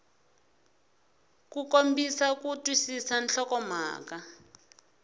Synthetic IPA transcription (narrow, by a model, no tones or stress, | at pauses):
kukombisakutwisisanɬɔkɔm̤a̰ːka